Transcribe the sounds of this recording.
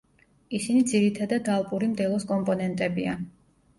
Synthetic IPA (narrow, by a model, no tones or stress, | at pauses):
isinid̪ziɾit̪ʰad̪ad̪alˠpʼuɾimd̪ɛlˠɔskʼɔmpʼɔnɛnt̪ʼɛbia